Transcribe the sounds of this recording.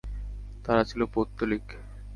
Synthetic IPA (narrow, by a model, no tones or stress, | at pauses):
t̪aɾat͡ɕʰilopot̪ːolik